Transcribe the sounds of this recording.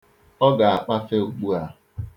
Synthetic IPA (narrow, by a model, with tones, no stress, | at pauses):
ɔ˦ɡa˨a˨k͡pa˦fe˦u˨ɡ͡bu˦a˦